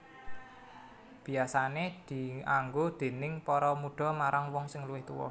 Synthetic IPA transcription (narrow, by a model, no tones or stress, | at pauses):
b̥i̤asaned̪̥i̤aŋɡod̪̥e̤nɪŋpɔɾɔmuɖ̥ɔ̤maɾaŋwɔŋsɪŋluwɪht̪ṵwɔ̰